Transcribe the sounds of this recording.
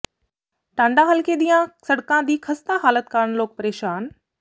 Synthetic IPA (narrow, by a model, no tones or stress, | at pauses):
ʈãːɳɖãɦɐlked̪ĩjãsɐɽkãd̪iːxʰɐst̪aɦaːlət̪kaːɾɽ̃loːk̚pɐɾeːʃaːn